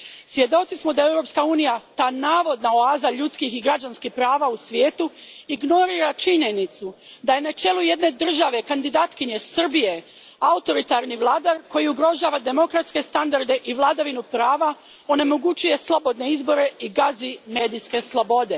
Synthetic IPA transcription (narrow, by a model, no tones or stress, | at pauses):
sʋje̞d̪o̞t̪ismod̪ae̞wɾo̞pskauːnijat̪aːnaːʋo̞d̪naoaːzaʎut̪skixiɡɾad͡ʒanskixpɾaːʋausʋjeːt̪uiɡno̞ɾiːɾat͡ʃiɲe̞nit̪su | d̪aje̞nat͡ʃe̞luje̞d̪ne̞d̪r̩ʒaʋe̞kand̪id̪aːt̪kiɲe̞sr̩bije̞ | aut̪o̞ɾit̪aɾniʋlˠaːd̪aɾko̞jiuɡɾo̞ʒaːʋad̪e̞mo̞kɾat̪ske̞st̪and̪aɾd̪e̞ʔiʋlˠaːd̪aʋinupɾaːʋa | o̞ne̞mo̞ɡut͡ʃuje̞slˠo̞bo̞d̪neizbo̞ɾe̞iɡazime̞ːd̪iske̞slˠobo̞d̪e̞